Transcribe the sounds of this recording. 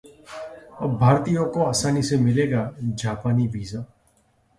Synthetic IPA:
əbʱaːɾt̪iːjõːkoːaːsaːniːseːmɪleːɡaːd͡ʒaːpaːniːʋiːzaː

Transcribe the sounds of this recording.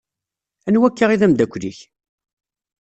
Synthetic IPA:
ænwækːəʁiðæmd̪ækʷːliç

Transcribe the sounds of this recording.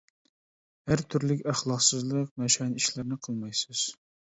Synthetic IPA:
hæɾt̪ʰyɾlɪkʲæχlˠɑqsɨzlˠəqmɛʃɑniʃlɪɾnɪqʰəlˠmɑjsɨz̥

